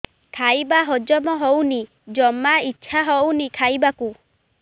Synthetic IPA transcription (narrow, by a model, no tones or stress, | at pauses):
kʰajbaɦɔd͡ʒɔmɔɦowni | d͡ʒɔmaitːʃʰaɦɔwnikʰajbaku